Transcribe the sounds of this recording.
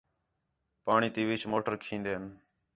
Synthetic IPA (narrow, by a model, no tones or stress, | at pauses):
paːɳiːt̪iːʋit͡ʃʰmoːʈəɾkʰĩːnd̪eːən